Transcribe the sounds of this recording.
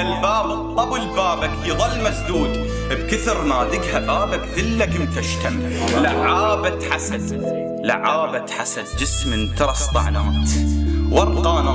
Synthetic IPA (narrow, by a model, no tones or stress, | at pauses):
albaːbɨt̪ˤːɑbəlbaːbakjðˤɑlːmazd̪uːd̪ | bkɪθɪɾnaːd̪ɪɡhabaːbakd̪ɪlːakɪnt̪aʃt̪am | laʕaːbat̪ħasad̪ | la̰ʕaːbat̪ħasad̪̚d͡ʒɪsmɪnt̪ɑɾˤɑst̪ˤɑ̰ʕnaːt̪wɑrˤqɑːnɑ